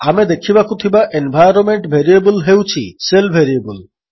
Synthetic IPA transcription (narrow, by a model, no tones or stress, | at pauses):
amed̪ekʰibakut̪ʰibaʔenbʱajɾonmeɳʈbʱeɾiebulɦewt͡ɕʰiselbʱeɾiebul